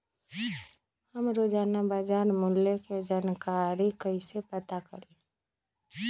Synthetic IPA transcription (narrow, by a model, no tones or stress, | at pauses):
həmɾoːd͡ʒaːnabaːd͡ʒaːɾmʊljeked͡ʒaːnkaːɾikəisepət̪akəɾẽː